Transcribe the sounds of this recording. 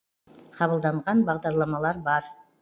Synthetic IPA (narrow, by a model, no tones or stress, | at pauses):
qʰɑβəlˠd̪ɑɴʁɑnbɑʁd̪ɑɾlˠɑmɑlˠɑɾbɑɾ